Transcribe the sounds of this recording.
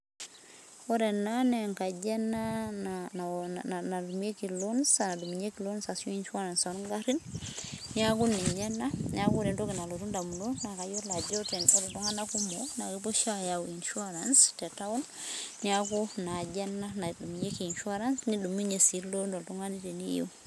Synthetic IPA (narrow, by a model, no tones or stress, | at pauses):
woɾenaneŋkaɟenanaaanadumekilonsanadumiɲekilonsasjoinʃuaɾansonɡaɾinniakuniɲɛnaniakɾentokinaloɾundamunonakajolad͡ʒoteneltuŋanakumonakipoʃajawinʃuaɾanstetawun | niakunaɟenːanadumiɲekiinʃuaɾansnidumiɲesilondoltuŋanitenijḭ